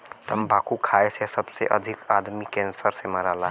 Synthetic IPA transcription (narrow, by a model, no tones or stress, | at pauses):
t̪əmbakukʰaesesəbsḛʔə̰d̪ʱikad̪mikensəɾsemaɾala